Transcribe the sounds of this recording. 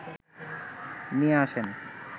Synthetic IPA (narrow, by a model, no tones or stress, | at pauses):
nieaʃen